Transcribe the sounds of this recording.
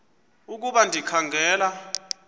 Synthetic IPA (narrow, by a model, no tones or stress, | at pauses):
uk̬uɓandʱikʰaŋɡʱɛːla